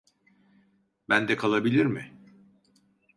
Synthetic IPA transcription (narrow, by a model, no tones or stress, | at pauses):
bænd̪ɛkʰalˠabilʲiɾmɪ